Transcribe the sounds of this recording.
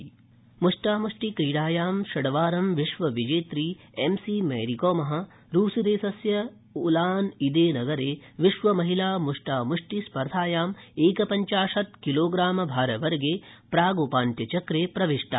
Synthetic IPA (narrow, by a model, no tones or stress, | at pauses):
muʂʈaːmuʂʈikɾiːɽaːjaːmʃɐɽɐʋaːɾɐmʋiʂʋɐʋid͡ʒeːt̪ɾiː | emsimɐ̰ːɾikoːmɐɦɐ̆ | ɾuːsid̪eːsɐsjɐ | ulaːnid̪eːnɐɡɐɾeː | ʋiʂʋɐmɐɦilaːmuʂʈaːmuʂʈispɐɾd̪ʱaːjaːmeːkɐpɐɲt͡ʃaːʂɐt̪kiloːɡɾaːmɐbʱaːɾɐʋɐɾɡeːpɾaːɡoːpaːnt̪jɐt͡ʃɐkɾeːpɾɐʋiʂʈɐ̰